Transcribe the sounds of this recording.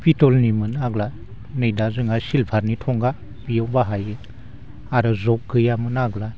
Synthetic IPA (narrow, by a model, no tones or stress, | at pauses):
pitɔlnimɯnaɡla | nɯjdazɯŋasilpʰaɾnitʰɔŋɡa | bijɔwbaɦajɯ | aɾɯzɔk̚ɡɯjamɯnaɡla